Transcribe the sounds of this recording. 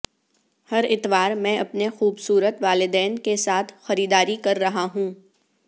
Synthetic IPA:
hɐɾɪt̪ʋaːɾmɛ̃ːʔɐpnexuːbsuːɾət̪ʋaːlɪd̪ɛːnkesaːt̪ʰxɐɾiːd̪aːɾikɐɾːɐɦaɦũː

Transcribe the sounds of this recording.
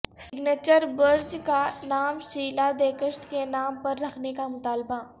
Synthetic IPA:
sɪɡneːt͡ʃəɾbɐɾd͡ʒkanaːmʃiːlad̪eːkəʃt̪kenaːmpɐɾːɐkʰnekamʊt̪aːlba

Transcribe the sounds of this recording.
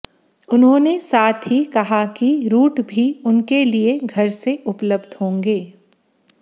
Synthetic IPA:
ʊnɦõːnesaːt̪ʰɦikɐɦakiɾuːʈbʱiʊnkelieɡʱɐɾseʔʊpləbd̪ʱɦõːŋɡeː

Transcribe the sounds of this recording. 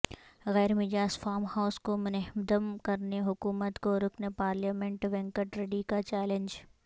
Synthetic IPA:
ɣɛːɾmɪd͡ʒaːsfaːɾmhaʊskomʊnɛɦmd̪əmkɐɾneɦʊkuːmət̪koɾʊkʰnepaːɾljaːmẽɳʈʋɛ̃ŋkəʈɾeɖikat͡ʃɛːlẽnd͡ʒ

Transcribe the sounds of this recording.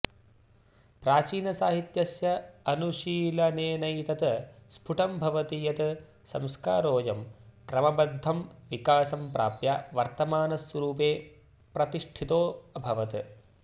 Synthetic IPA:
pɾaːt͡ʃiːnɐsaːɦit̪jɐsjɐɐnuʃiːlɐneːnɐjt̪ɐt̪ɐspʰuʈʰɐmbʱɐʋɐt̪ijɐt̪ɐ | sɐ̰mska̰ːɾoːjɐmkɾɐmɐbɐd̪ʱːɐmʋikaːsɐmpɾa̰ːpjaʋɐɾt̪ɐmaːnɐsʋɐɾuːpeː | pɾɐt̪iʂʈʰit̪oːɐbʱɐʋɐt̪ɨ̰

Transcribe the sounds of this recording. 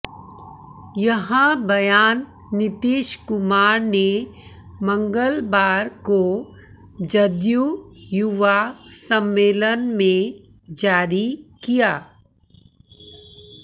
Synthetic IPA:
jɐɦãbɐjaːnː | ɪt̪iːʃkʊmaːɾne | mɐ̃ŋɡəlbaːɾko | d͡ʒɐd̪jujʊʋasə̃mːeːlənmẽ | d͡ʒaːɾikijaː

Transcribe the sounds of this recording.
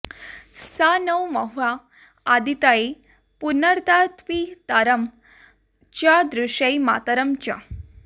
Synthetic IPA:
sanəwməɦʋaː | d̪it̪ae | punəɾt̪at̪ʋit̪aɾəm | t͡ɕjad̪ɾuʂəjma̰t̪əɾəmt͡ɕa̰

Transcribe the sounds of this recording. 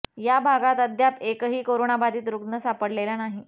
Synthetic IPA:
jabʱaɡat̪əd̪japekəɦiːkoɾonabad̪iːt̪ɾuɡnəsapəɽlelanaɦi

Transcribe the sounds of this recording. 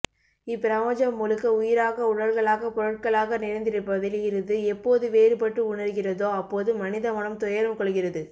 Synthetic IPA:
ɪpːɪɾɐʋɐd͡ʒɐmːʊlɯkːɐʊjɪɾaːɣɐʊɽɐlɣɐɭaːɣɐpɔɾɐʈ̚kɐɭaːɣɐnɪɾɐnd̪ɪɾɯpːɐðɪlɣɪɾɐðɯɛpːoːðɯʋeːɾɯpɐʈrɯʊɳɐɾɯɣɪrɐðoːɐpːoːðɯmɐnɪðɐmɐɳɐmt̪ɔjɐɾɯmkɔɭɯɣɪrɐðɯ

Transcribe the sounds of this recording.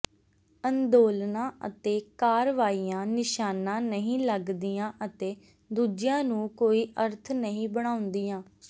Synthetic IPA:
ənd̪oːlnãːʔə̰t̪eːkaːɾʋaːiːjãːnɪʃaːnãːnəɦĩːləɡd̪ijãːʔət̪eː | d̪uːd͡ʒɪjãːnũːkoːiːʔəɾt̪ʰnəɦĩːbəɽ̃aːʊ̃nd̪iːãː

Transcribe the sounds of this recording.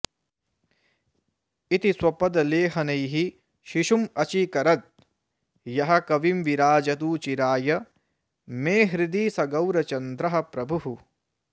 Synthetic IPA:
it̪iswɐpɐd̪ɐleːɦɐnɐjɦi | ʃiʃumɐt͡ʃikɐɾɐt̪̚ | jɐɦɐ̆kɐʋimʋiɾaːd͡ʒɐt̪uːt͡ʃiɾaːjɐ | meːɦɾid̪iːsɐɡɐwɾɐt͡ʃɐnd̪ɾɐɦɐ̆pɾɐbʱuɦu

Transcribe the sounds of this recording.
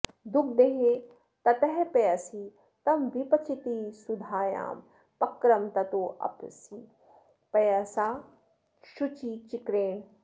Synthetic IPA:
d̪uk̚d̪eɦe | t̪ɐt̪ɐɦɛpejɐsi | t̪ɐmʋipɐt͡ʃʰit̪iːsud̪ʱaːja̰ːm | pɐkɾɐmt̪ɐt̪oːʔɐ̰pʰsi | pɐjɐsaː | ʃut͡ʃit͡ʃikɾeːɳ

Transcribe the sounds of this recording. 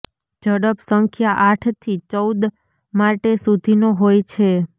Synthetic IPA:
d͡ʒəɽəpsəŋkʰjaʔaʈʰt̪ʰit͡ʃəwd̪ | maʈesud̪ʱinoɦojt͡ʃʰe

